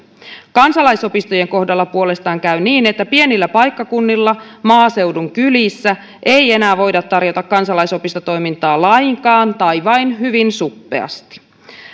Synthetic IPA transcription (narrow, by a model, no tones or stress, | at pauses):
kɑnsɑlɑjso̞pist̪oje̞ŋko̞hdɑlːɑpuo̞le̞st̪ɑːŋkæɥniːne̞t̪ːæpie̞nilːæpɑjkːɑkunːilːɑmɑːse̞wduŋkylisːæ | ʔe̞je̞næːʋo̞jdɑt̪ːɑrjo̞t̪ɑkkːɑnsɑlɑjsopist̪o̞t̪o̞jmint̪ɑːlɑjŋkɑːnt̪ɑjʋɑjnɦyʋinsupːe̞̰ɑ̰st̪i̥